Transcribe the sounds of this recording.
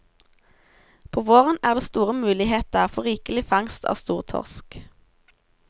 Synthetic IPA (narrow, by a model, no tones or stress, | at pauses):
pʰoːʋoːʁənæːʁd̪eːst̪uːʁəmʉːlɪheːt̪əfɔʁiːkəlɪfɑŋst̪ʰɑ̰ːst̪uːʁt̪ʰɔ̰ʁsk